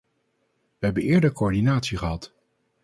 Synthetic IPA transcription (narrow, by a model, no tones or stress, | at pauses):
ʋəɦɛbənɪːɹdəɹkoɔɹdinaːtsiχəɦɑt